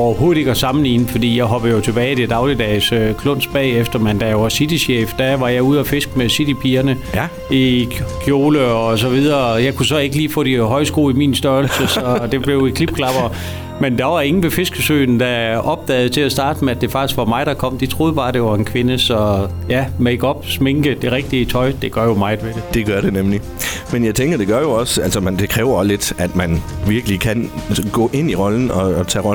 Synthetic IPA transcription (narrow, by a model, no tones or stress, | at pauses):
ɒʊɐɦo̝ːðˠeɡ̥ɒsɑ̈mn̩lḭːn̩fɒd̥ḭːjɑ̈ɪɦɒ̽b̥ð̩ˠjo̝t͡sʰe̝b̥ɛːɪded̥ɑ̈ʊlid̥ɛɪsøkʰlɔ̽n̰sb̥ɛ̰ːefd̥ɐmend̥æjoʋɑ̈sid̥iɕjḛːfd̥æʋɑ̈jɑ̈ɪuð̞̰ˠæfe̝sɡ̥mesid̥ipʰiːɐnə | ikʰjo̝ːləɒ̽s̬ɒ̽ʋið̞ˠɐjɑ̈ɪkʰusɒ̽e̝ɡ̥əliːfɔ̰ːd̥iɦɒ̽ɪsɡ̥o̝̰ːimiːnsd̥ɶɐllsəsɒ̽d̥e̝b̥le̝ʊikʰlib̥kʰlɑ̈b̥ɐ | mend̥ɑ̈ʋɑ̝̈ŋn̩ʋe̝fe̝sɡ̥əsø̰ːn̩d̥æʔɒ̽b̥̚d̥ɛ̰ːð̞̩ˠt͡sʰe̝æsd̥ɑ̈ːd̥əmeæd̥e̝fɑ̈ɡ̥isɡ̥ʋɑ̈mɑ̈ɪɾ̥ɑkʰɒ̽m̰d̥it͡sʰʁo̝ːð̞ˠb̥ɑ̈ːd̥e̝ʋɑ̈e̝nkʰʋe̝nəsɒ̽ | jæmeɡ̥ɒ̽b̥sme̝ŋɡ̥əd̥e̝ʁɛɡ̥̚d̥iət͡sʰɒ̽ɪd̥e̝ɡ̥ɶɐ̰jo̝mɑ̈ɪð̩ˠʋed̥e̝d̥e̝ɡ̥ɶɐɾ̥e̝nemli | menjɑ̈ɪt͡sʰeŋɡ̥ɐd̥e̝ɡ̥ɶɐjo̝ɒ̽sælsəmænd̥e̝kʰʁɛːʊɐle̝d̥æd̥mænʋiɐɡ̥əlikʰænɡ̥ɔ̰ːʔe̝n̰iʁɒln̩ɒ̽t͡sʰɛ̰ːʁɒ